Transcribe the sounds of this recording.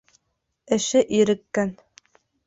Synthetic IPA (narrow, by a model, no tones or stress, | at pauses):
ɘ̆ʃɘʔiɾɘ̆kːæn